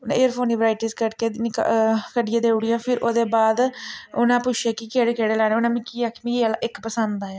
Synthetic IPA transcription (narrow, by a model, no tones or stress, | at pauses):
nã̰ːeːɾpʰoːniːʋɾaːɪʈiːskəʈkeːkkəɖɪjãːd̪eːʊɽijãːpʰɪɾʔoːd̪eːbaːd̪ʊnãːpʊt͡ʃʰijaːkikeːɽeːkeːɽeːlɛːɽ̃eːonãːmĩːkiːaːkmĩalːʔɪkpəsənd̪aːjaː